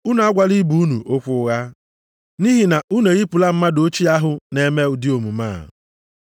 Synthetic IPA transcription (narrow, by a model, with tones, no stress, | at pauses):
u˦n˨a˦ɡʷa˨li˦bu˦u˦nu˨ʔo˦kʷʊ˦ɣa˦ | ni˦ɦi˨na˨u˦ne˨ɣi˦pu˨la˦m̩˦ma˦do˦t͡ʃi˦a˦ɦʊ˨ne˨me˦ʊ˨di˦o˨mu˨ma̰ː˦˨